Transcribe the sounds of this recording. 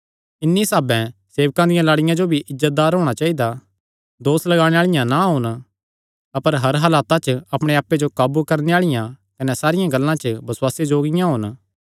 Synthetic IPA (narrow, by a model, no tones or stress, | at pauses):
ɪnːisaːbɛ̃seːʋkãd̪ɪjãlaːɽɪjãd͡ʒobʱiʔɪzːət̪̚d̪aːɾɦoːɽ̃at͡ʃaːid̪a | d̪oːslɐɡaːɽ̃ẽaːɭɪjãnaɦʊn | ɐpəɾɦɐɾɦalaːt̪at͡ʃɐpɽ̃eaːpːed͡ʒokaːbukɐɾneaːɭɪjãkɐnɛsaːɾɪjãɡɐlːãt͡ʃəbɐswaːsed͡ʒoːɡɪjãɦʊn